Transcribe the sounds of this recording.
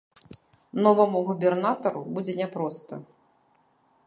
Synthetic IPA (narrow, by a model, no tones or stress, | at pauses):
nɔvɐmuɣubʲɛrnat̪ɐɾubud͡zʲɛnʲɛpɾɔst̪ɐ̰